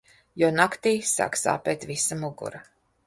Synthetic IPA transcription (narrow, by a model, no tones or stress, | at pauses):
jɔːnakt̪iːsa̰ːksa̰ːpʲɛːt̪visamuɡṵɾa